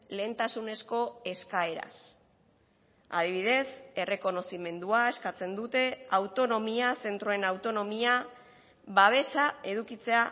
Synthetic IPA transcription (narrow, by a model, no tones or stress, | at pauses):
le̞ːnt̪asune̞sko̞e̞skae̞ɾa̰s | a̰ðiβ̞iðe̞se̞re̞ko̞no̞sime̞nd̪uae̞skat͡se̞nd̪ut̪e̞awt̪o̞no̞miase̞nt̪ɾo̞e̞nawt̪o̞no̞mia | βaβ̞e̞sae̞ðukit͡se̞a